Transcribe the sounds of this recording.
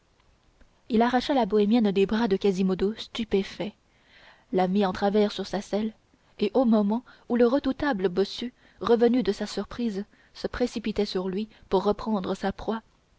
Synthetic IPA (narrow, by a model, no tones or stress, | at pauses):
ilaʁaʃalabɔɛmjɛnd̪ebʁad̪əkazimɔd̪ost̪ypefɛ | lamiɑ̃t̪χavɛʁsyʁsasɛl | eʔomɔmɑ̃uləʁəd̪ut̪abləbɔsy | ʁəvənyd̪əsasyʁpχiz | səpχesipit̪ɛsyʁlɥipuʁːəpχɑ̃d̪ʁəsapχwa